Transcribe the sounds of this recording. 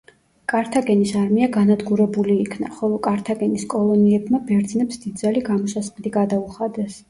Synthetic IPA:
kʼaɾt̪ʰaɡɛnisaɾmiaɡanad̪ɡuɾɛbuliːkʰna̰χɔlˠɔkʼaɾt̪ʰaɡɛniskʼɔlˠɔniɛbmabɛɾd̪znɛpsd̪id̪d̪zaliɡamɔsasvd̪iɡad̪auχad̪ɛs

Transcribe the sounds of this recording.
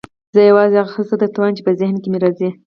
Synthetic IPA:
zəjawɑzeaɣaxəst̪ad̪at̪awant͡ʃepəzɪhnkemeɾɑzi

